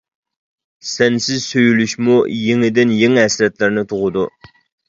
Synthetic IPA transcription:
sɛnsɪzsøjylyʃmujeŋɪd̪ɪnjeŋɦɛsɾɛt̪lɪɾnɪt̪ʰʊʁʊd̪u

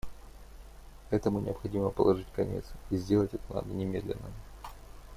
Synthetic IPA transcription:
ɛt̪əmʊnʲɪəpxɐdʲiməpəlˠɐʐɨtʲkɐnʲe̞̰t̪sizʲdʲe̞lˠətʲɛt̪əna̰d̪ənʲɪmʲed̪lʲɪ̰nːə

